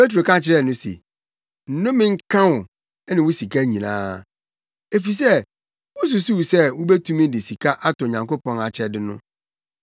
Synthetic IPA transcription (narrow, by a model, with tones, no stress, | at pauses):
pe˦t̬ɾo˨kã˦t͡ɕʰɪ˦ɾɛ˦˨nʊ̃˦sḛ˨ | n̩˨nʊ̃˦mɪ̃˦ŋ̩˦kʰã˦wʊ˨ | ɛ˦nɪ̃˨wʊ˦si˨kʰa˦ɲĩ˨nã̰ː˦˨ | e˨fi˨s̬ɛ˦ | wʊ˦s̬u˨su˦wsɛ˦wʊ˦be˦tʰu˦mĩ˦dɪ˨si˨kʰa˦ʔa˦tʊ˨ɲã˨ŋko˦pɔ̃˨na˨t͡ɕʰɪ˦ɛ˨dɪ˦nʊ̰̃˦